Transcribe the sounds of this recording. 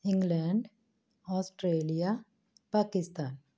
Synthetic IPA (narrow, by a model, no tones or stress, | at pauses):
ɪ̃ŋɡlɛːɳɖ | ɔːsʈɾeːlija | paːkɪst̪aːn